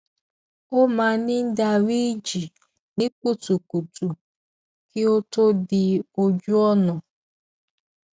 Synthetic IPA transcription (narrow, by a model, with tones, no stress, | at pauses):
o˦ma˨nɪ˦n̩˦da˨wi˦d͡ʒi˨ | nɪ˦ku˦tu˨ku˨tu˨ | kɪ˦o˦to˦dɪ˨o˦d͡ʒu˦ɔ˦nɔ˨